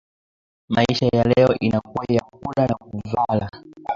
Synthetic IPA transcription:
maiʃajalɛɔʔinakuwajak̚uɗanak̚uvala

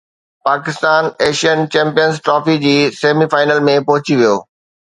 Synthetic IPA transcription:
paːkɪst̪aːneːʃijənt͡ɕɛ̃ːmpijənzʈɾɔːfid͡ʑiːseːmifaːɪnəlmẽpɐɦʊt͡ɕiʋijoː

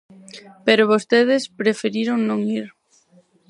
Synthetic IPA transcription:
peɾʊβost̪eðespɾefeɾiɾoŋnõŋiɾ

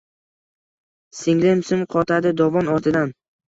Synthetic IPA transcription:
sɪŋlɪmsɪmqʰɒt̪ʰad̪ɪd̪ɒvɒnɒɾt̪ʰɪd̪an

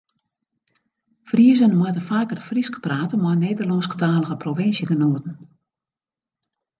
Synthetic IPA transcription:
friəzənmutəfaːkərfriskə̥praːtəmɔneːdərlɔnskə̥taːləɣəprovɪnsjəɡənoːtən̩

